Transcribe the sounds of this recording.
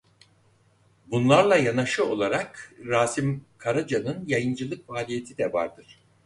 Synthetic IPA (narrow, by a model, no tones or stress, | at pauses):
bunlˠaɾlˠajanaʃɯo̞lˠaɾakɾaːsimkʰaɾad͡ʒanɯnjajɯnd͡ʒɯlˠɯkfaːlʲije̞t̪ʰid̪ɛva̰ɾd̪ɯɾ̥